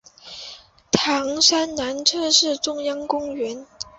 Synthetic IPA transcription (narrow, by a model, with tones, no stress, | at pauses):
t̪ʰɑ˧˥ŋʂa˥nna˧˥nʈ͡ʂʰɤ˥˧ʂɻ̩˥˩ʈ͡ʂʊ˥ŋjɑ˥ŋkʊ˥ŋɥɛ˧˥n